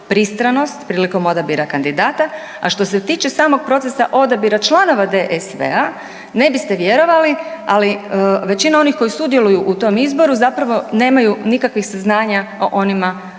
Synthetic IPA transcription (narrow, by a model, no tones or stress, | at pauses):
pɾist̪ɾano̞st̪pɾiːliko̞mo̞d̪abiɾakand̪id̪aːt̪a | a̰ʃt̪o̞se̞t̪iːt͡ʃe̞saːmo̞ɡ̚pɾo̞t̪sesaʔo̞d̪abiɾat͡ʃlˠano̞ʋad̪eʔesʋḛa | ne̞bist̪e̞ʋje̞ɾo̞ʋalialiʋe̞t͡ɕinao̞nixko̞jisud̪je̞lˠujuʔut̪o̞mizbo̞ɾuzapɾaʋo̞ne̞ːmajunikakʋixsaznaːɲao̰ʔo̞nima